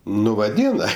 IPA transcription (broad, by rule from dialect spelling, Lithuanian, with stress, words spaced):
ˈnʊ ʋɐˈdʲiːnɐ